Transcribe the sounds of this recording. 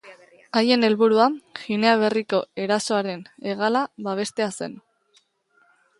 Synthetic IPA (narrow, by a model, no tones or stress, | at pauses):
aje̞ne̞lβuɾuaxine̞aβ̞e̞riko̞e̞ɾaso̞aɾe̞ne̞ɣ̞alaβaβ̞e̞st̪e̞ase̞̰n